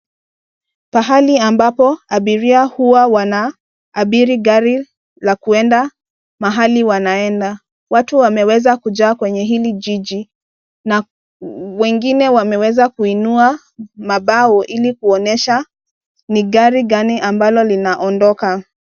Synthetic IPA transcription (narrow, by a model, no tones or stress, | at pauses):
paɦaliambapɔaɓiɾiahuwawanaː | ɓiɾiɠaɾi | lakuɛnda | maɦaliwanaɛnda | watuwamɛwɛzakuʄaːkwɛɲɛɦiliʄiʄi | na | wɛŋɡinɛwamɛwɛzakuinua | maɓaɔʔilikuɔnɛʃa | niɠaɾiɠaniʔambalɔlinaʔɔndɔka